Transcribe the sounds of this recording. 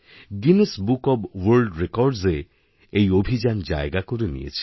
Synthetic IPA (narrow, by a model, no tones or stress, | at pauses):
ɡinesbukɔbwoɾlɖɾekɔɾɖze | ejobʱid͡ʑand͡ʑaeɡakoɾenḭjḛt͡ɕʰi̥